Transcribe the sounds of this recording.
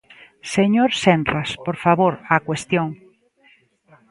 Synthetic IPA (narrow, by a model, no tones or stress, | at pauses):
seɲoɾsɛnraspoɾfaβoɾakwest̪joŋ